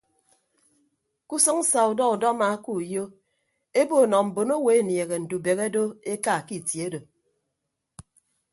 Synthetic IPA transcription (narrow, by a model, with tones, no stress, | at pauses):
ku˦sɨ˦ŋ̩˦sa˨u˨dɔ˦u˨dɔ˦ma˨˦ku˦˨jo˦ | e˦bo˦˨nɔ˨m̩˨bo˨no˦we˨e˦nje˨ɣe˨n̩˨du˨be˨ɣe˦do˦e˦ka˦˨ki˨tje˦do˨